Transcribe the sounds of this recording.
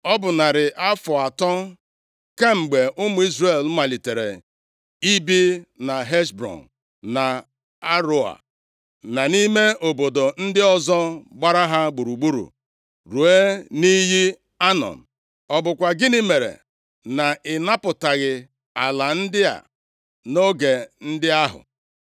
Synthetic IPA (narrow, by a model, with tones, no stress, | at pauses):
ɔ˦bʊ˨na˨ɾɪ˨ʔa˦fɔ˨a˨tɔ˦ | ka˦m̩˨ɡ͡be˨ʔʊ˦mʊ˨i˦zɾe˨lma˨li˨te˨ɾḛ˨ | i˦bi˦na˨ɦe˦ʃbɾɔ̰˨n | na˨ | a˦ɾʊ˦a̰˨ | na˨ni˦me˦ʔo˨bo˨do˨n̩˦dɪ˦ɔ˦zɔ˦ɡ͡ba˦ɾa˦ɦa˦ɡ͡bu˨ɾu˨ɡ͡bu˦ɾṵ˨ | ɾu˨e˦ni˦ɦi˦ | a˦nɔ̰˨n̩˨ | ɔ˨bʊ˨kʷa˨ɡɪ˦ni˦me˨ɾḛ˨ | na˨ɪ˨na˦pʊ˨ta˨ɣɪ˨ | a˨la˨n̩˦dɪ˦a̰˨ | no˦ɡe˨n̩˦dɪ˦a˦ɦʊ̰˨